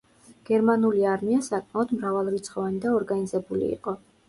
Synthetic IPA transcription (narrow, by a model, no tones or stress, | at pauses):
ɡ̥ɛɾmanuliaɾmiasakʼmaɔd̪mɾavalˠɾit̪sʰχɔvanid̪aɔɾɡanizɛbulḭːqʼɔ